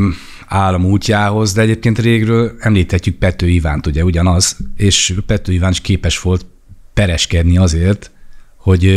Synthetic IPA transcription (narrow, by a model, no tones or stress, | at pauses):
aːlːɒmuːcːaːɦo̞zd̪ɛɛɟeːp̚keːnt̪reːɡrøːlɛmliːt̪hɛcːyk̚pɛt̪ːøːivaːnt̪uɟɛuɟɒnɒzeːʃpɛt̪ːøːivaːniʃkeːpɛʃʋo̞lt̪ | pɛɾɛʃkɛd̪niɒzeːrt̪ho̞ɟ